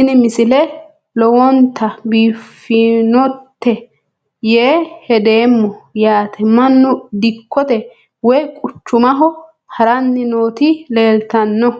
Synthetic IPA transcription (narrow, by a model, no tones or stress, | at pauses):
ɪnɪmɪsɪlɛ | lɔwɔnt̪ʰːɐbiːfːɪnɔt̪ːɛ | jeːhɛd̪e̞ːmːɔjaːt̪ʰɛmɐnːʊd̪ɪkːɔt̪ɛ | wɔjkʼʊt͡ʃːʊmɐɦɔ | hɐɾɐnːɪnoːt̪ile̞ːlt̪ɐnːɔ